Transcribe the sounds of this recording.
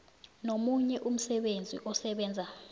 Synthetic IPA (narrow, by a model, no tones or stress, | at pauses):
nomuɲɛʔum̩sɛɓend͡zʱḭʔɔsɛɓɛːnd͡zʱa